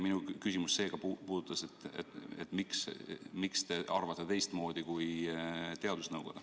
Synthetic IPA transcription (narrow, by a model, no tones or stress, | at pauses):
minukysʲimusːe̞ːɡ̥ɑpupuːd̪̥ut̪ːˑɑset̪ːḛt̪et̪ːmiksmikst̪e̞ʔɑrvɑt̪ːet̪e̞jst̪mo̞ːd̪̥ikujt̪e̞ɑd̪̥usnɤwɡ̥od̥̪ɑ